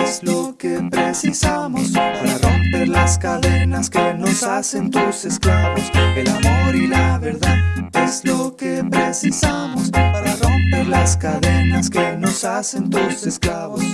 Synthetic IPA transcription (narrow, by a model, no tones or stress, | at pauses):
ezlokepɾesisamospaɾaro̞mpeɾlaskaðe̞naskenosasent̪use̞sklaβoselamoɾilaβeɾðaðezlokepɾesisamospaɾaro̞mpeɾlaskaðenaskenosase̞nt̪osesklaβos